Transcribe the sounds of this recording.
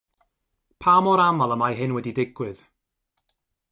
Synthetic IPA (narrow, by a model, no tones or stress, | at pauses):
pʰaːmɔɾamalˠəmajɦɪnwɛdidɪɡ̥wɨð̥